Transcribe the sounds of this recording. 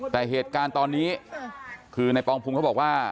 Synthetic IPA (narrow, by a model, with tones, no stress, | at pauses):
t̪ɛː˨˩ɦeː˨˩t̪̚kaː˧nt̪ɔː˧nːiː˦˥ | kʰɯː˧na˧jpɔː˧ŋpʰu˧ŋkʰa˥˩bɔː˨˩k̚waː˥˩